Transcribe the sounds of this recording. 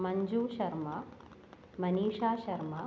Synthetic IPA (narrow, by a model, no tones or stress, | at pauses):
mɐɲd͡ʑuːʃɐɾmɐ | mɐniːʂaːʃɐɾmɐ